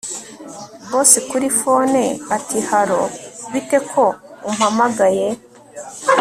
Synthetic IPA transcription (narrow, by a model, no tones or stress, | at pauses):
βoːsikuɾifo̞neatihaɾo̞βite̞kʰo̞um̥hamaɡaje̞